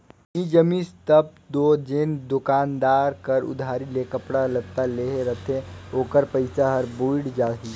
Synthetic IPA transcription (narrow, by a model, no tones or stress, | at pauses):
id͡ʒəmĩst̪əb̚d̪oːd͡ʒend̪ʊkaːnd̪aːɾkəɾʊ̰d̪ʱaːɾilekəpɽalət̪aleːɦeɾət̪ʰẽoːkəɾpəɪsaɦəɾbuɪɽd͡ʒaːɦiː